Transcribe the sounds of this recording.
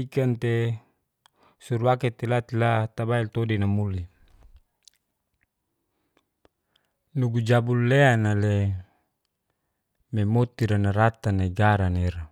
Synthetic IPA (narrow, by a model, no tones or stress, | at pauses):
ikant̪e | suɾuaket̪elat̪ilat̪abailt̪odinamuli | nuɡud͡ʒabulːeanale | memot̪iɾanaɾat̪anaiɡaɾaneɾa